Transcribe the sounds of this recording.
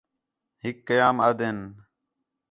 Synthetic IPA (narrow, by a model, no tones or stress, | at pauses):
ɦɪkːəjaːmaːd̪en